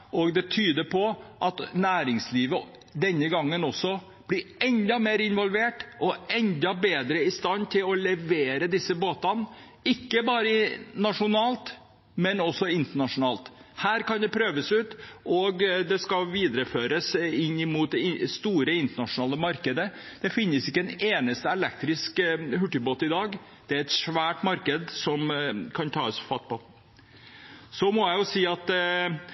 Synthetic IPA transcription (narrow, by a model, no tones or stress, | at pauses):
ɔɡd̪ɛt̪ʰyːd̪əpʰɔʔɑt̪næːɾɪŋsliːʋə | d̪ɛnːəɡɑŋːənɔsɔ | b̥lɪɛnd̪ɑmeːɾɪnʋɔlʋeːʈɔɛnd̪ɑbeːd̪ɾəɪst̪ɑnːt̪ʰɪlɔlɛʋeːɾəd̪ɪsːəboːt̪ɑn | ɪkːəbɑːɾənɑʂʊnɑːlt̪ | mɛnɔsːɔɪnt̪əɳɑʂʊnɑːlt̪ | hæːɾkɑnd̪ɛpʰɾøːʋəsʉːt̪ʔɔɡd̪ɛskɑlʋiːd̪ɾəføːɾəsɪnːɪmuːt̪̚d̪ɛɪst̪uːɾəɪnt̪əɳɑʂʊnɑːləmɑɾkəd̪ə | d̪̥ɛfɪnːəsɪkːəɛneːnəst̪əɛlɛkt̪ɾɪskhʉʈːɪboːt̪ɪd̪ɑːɡ | d̪̥ɛæɾɛt̪ʂʋæːʈmɑɾkəd̪sɔmkʰɑnt̪ʰɑːəsfɑt̪̚pɔ | sɔmɔjæɪjʊsiːɑt̪